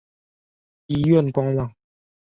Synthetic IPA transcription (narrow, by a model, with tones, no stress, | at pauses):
i˧˦ɥɛ˥˨nkwa˧ŋwa˨ŋ